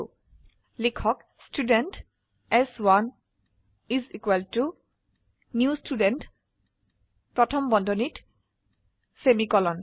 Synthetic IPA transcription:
likʰɔk | student | ɛswan | izikwɛltu | njustudent | pɹɔtʰɔmbɔndʱɔnit | semikɔlɔn

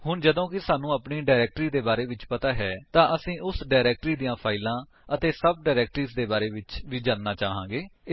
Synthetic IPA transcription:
ɦʊɳd͡ʒəd̪õːkɪsaːnũːəpɳiːɖaːɾɛːk̚ʈɾiːd̪eːbaːɾeːʋɪt͡ʃpət̪aːɦɛːt̪ãːʔəsĩːʔʊsɖaːɾɛːk̚ʈɾiːd̪ijãːpʰaːɪlãː | ət̪eːsəb̚ɖaːɾɛːk̚ʈɾiːsd̪eːbaːɾeːʋɪt͡ʃʋiːd͡ʒãːnnaːt͡ʃaːɦãːɡeː

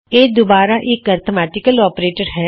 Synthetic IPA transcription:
eːd̪obaːɾaʔekɐɾt̪ʰomɛːʈɪkəlɔːpɾeːʈəɾɦɛː

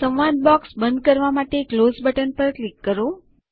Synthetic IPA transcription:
ə̃ʋʋad̪̚bɔksbənd̪̚kəɾʋamaʈeklozbəʈənpəɾklikːəɾo

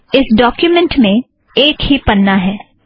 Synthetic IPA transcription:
ɪsɖɔːkjumɛ̃ɳʈmẽ | eːkɦipɐnːaɦɛː

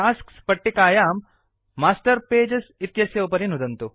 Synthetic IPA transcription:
aːskspɐʈːikaːjaːmː | aːsʈɐɾpeːd͡ʒɐsit̪jɐsjɐupɐɾinud̪ɐnt̪u

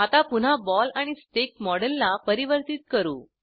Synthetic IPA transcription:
at̪apun̤abɔlaɽ̃isʈek̚mɔɽəlːapəɾiʋəɾt̪it̪̚kəɾṵː

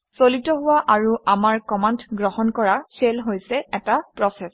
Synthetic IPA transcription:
solitɔɦʊwaʔaɹuamaɹkɔmantɡɹɔhɔnkɔɹaselɦojsɛɛtapɹɔsɛs

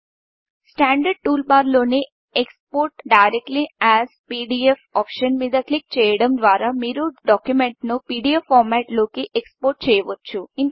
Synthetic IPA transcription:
sʈæ̃ːɳɖəɖ̚ʈuːlbaːɾloːni | ekspoːɾʈɖaɪɾek̚ʈliæzpiːɖiefɔːpʃənʋid̪ɐklik̚t͡ʃejɽɐmd̪ʋaːɾamiːɾuɖɔːkjumẽɳʈnupiːɖiefːɔːɾmæʈloːkeʔekspoːɾʈ̚t͡ʃejʋət̪̚t͡ʃʰuĩn

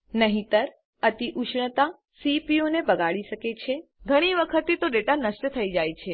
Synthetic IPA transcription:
nəɦĩt̪əɾ | ət̪iʔuʃɳət̪a | sipionebəɡaɭiʃəket͡ʃʰe | ɡʱəɽ̃iʋəkʰət̪ːit̪oɖeʈanəʃʈət̪ʰəid͡ʒajt͡ʃʰe

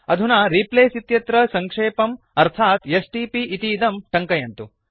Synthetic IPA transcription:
ɐd̪ʱunaɾiːpleːsit̪jɐt̪ɾɐsɐŋkʂeːpɐm | ɐɾt̪ʰaːt̪jɐsʈiːpiʔit̪iːd̪ɐmʈɐŋkɐjɐnt̪u

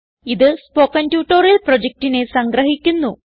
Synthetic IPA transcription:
iðɨspoːkɐntjuːʈːoːɾɐlprod͡ʑek̚ʈinesɐŋɡɾɐɦikʲːunːu

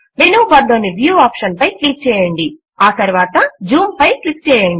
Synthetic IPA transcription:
menuʋɐd̪ːoːniʋjuːaːpʂɐnpɐjklik̚t͡ʃɛːjɐɳɖi | aːt̪ɐɾʋaːt̪ɐd͡ʒuːmpɐjklik̚t͡ʃɛːjɐɳɖi

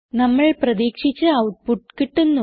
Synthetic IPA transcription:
nɐmːɐɭprɐðiːkʂit͡ɕːɨɐwʈ̚puʈːkiʈːunːu

